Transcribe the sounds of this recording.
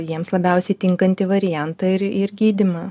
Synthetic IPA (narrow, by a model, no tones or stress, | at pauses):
jiɛmslˠɐbʲɛˑʊsʲɛɪt̪ʲɪŋkɐnʲt̪ʲɪʋɐɾʲɪjænt̪ɐɪɾɪɾɡʲiːd̪ʲɪmɐː